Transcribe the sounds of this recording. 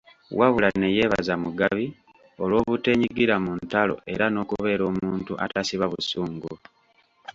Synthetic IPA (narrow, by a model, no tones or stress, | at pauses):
waβulane̞je̞ːβa̰zamuɡaβi | o̞lwo̞ːβute̞ːɲiɡiɾamuntalo̞̰ʔe̞ɾano̞ːkuβe̞ːɾo̞ːmuːntuʔa̰tasiβaβusuːŋɡu